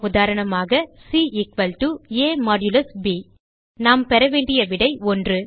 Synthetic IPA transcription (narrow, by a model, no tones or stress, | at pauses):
ʊðaːɾɐɳɐmaːɣɐsiːɪkʋɐlʈueːmaːɖjʊlɐsbiː | naːmpɛɾɐʋeːɳɖɪjɐʋɪɽɐɪɔndrɯ